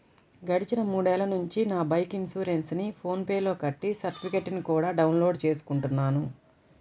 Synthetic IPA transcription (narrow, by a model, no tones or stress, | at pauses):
ɡɐɽit͡ʃinɐmuːɽɛːlɐnuɲt͡ʃinaːbɐjkiŋsuːɾensnipʰo̞ːnpeːlo̞ːkɐʈːisɐɾʈipʰikeʈnikuːɽaːɖɐwnlo̞ːɖt͡ʃe̞ːs̬u̥kuɳʈunːaːnu